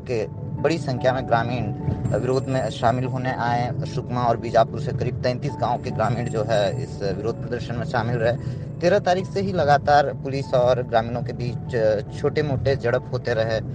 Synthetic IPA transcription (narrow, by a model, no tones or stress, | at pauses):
ke | bɐɽisɐ̃ŋkʰjamẽɡɾaːmiːɳʋɪɾoːd̪ʱmẽʃaːmɪlɦoːneʔaːẽʃʊkmaɔːɾbiːd͡ʒaːpʊɾsekɐɾiːb̚t̪ɛ̃ːnt̪iːsɡãːõkeɡɾaːmĩːɳd͡ʒoːɦɛɪ̰sʋɪɾoːd̪̚ʱpɾəd̪əɾʃənmẽʃaːmɪlɾɐɦe | t̪eːɾat̪aːɾiːxseɦilɐɡaːt̪aːɾpʊlɪsɔːɾɡɾaːmiːnõkebiːt͡ʃt͡ʃʰoːʈemoːʈed͡ʒɐɽəpɦoːt̪eɾɐɦeː